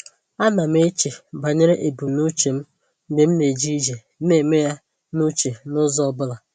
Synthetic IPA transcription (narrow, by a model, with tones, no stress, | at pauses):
a˦na˨m˦e˦t͡ʃe˨ba˨ɲe˦ɾe˦ʔe˨bu˨nu˦t͡ʃe˨m̩˦ | de˨m̩˦ne˨d͡ʒi˦d͡ʒe˨˦e˨me˦ja˦ | nu˦t͡ʃe˨nʊ˦zɔ˦bʊ˦la˨